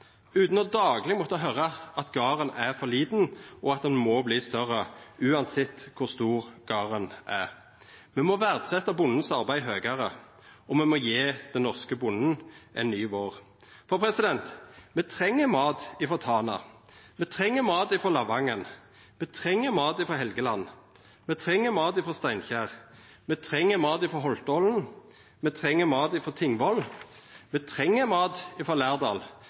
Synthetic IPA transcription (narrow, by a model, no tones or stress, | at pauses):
ʉːt̪nɔd̪ɑːɡlɪɡmɔt̪ːəɦœɾɑʔɑt̪ɡɑːʁənæʁfɔliːd̪n̩ɔɑt̪̚d̪ɛnmɔbliːst̪œʁəʉːɑnsɪt̪kʰʊʁst̪uːʁɡ̥ɑːʁənʔæʁ | mɛmɔʋæʁd̪sɛt̪ːɑbʊnːən̩sɑʁbæɪɦøːɡəɾə | ɔmɛmɔjeːd̪̥ɛnːɔʁskəbʊnːn̩ʔɛ̰nːyːʋoːʁ | fɔʁpʰɾɛsɪd̪ɛnt̪mɛt̪ʰʁɛŋːəmɑːt̪ɪfɔʁt̪ʰɑːnɑ̰mɛt̪ʰʁɛŋːəmɑːd̪ɪfɔlɑʋɑŋən | mɛt̪ʰʁɛŋːəmɑːt̪ɪfɔɦɛlɡəlɑn | mɛt̪ʰɾɛŋːəmɑːt̪ɪfɔʁst̪æɪnçæːʁ | mɛt̪ʰɾɛŋːəmɑːd̪ɪfɔɾɦɔlt̪ɔln̩ | mɛt̪ʰʁɛŋːəmɑːd̪ɪfɔt̪ʰɪŋʋɔlːmɛt̪ʰʁɛŋːəmɑːd̪ɪfɔlæːʁd̪ɑ̰ːl